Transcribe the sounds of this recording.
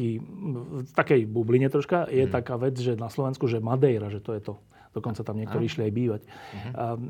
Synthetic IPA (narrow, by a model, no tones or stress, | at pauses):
iː | ft̪akɛjbubliɲɛt̪ɾɔʃkajɛt̪akaːʋɛd͡zʒɛnaslɔʋɛnskuʒɛmad̪ɛjɾaʒɛt̪ɔjɛt̪ɔ | d̪̥ɔkɔnt͡sat̪amɲɪɛkt̪ɔɾiːiʃliajbiːʋac